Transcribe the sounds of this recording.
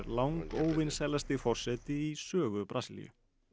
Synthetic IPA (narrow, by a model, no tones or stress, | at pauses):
ɾlawŋkoːwvɪnsɛlːast̪ɪfɔr̥sɛːt̪ɪisœːɣʏpɾasilḭjʏ̰